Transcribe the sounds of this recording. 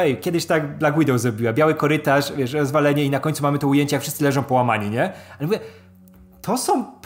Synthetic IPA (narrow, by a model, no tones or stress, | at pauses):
ɛjkʲjɛd̪ɘɕt̪aɡd̪laɡwid̪ɔwzɾɔbʲiwabʲjawɘkɔɾɘt̪aʂvʲjɛʂɾɔzvalɛɲɛinakɔɲʲt̪sumamɘt̪ɔujeɲt͡ɕɛjakfʂɘst̪sɘlɛʐɔ̃w̃pɔwamaɲiɲɛalɛmuvjɛ | t̪ʰɔsɔ̃w̃p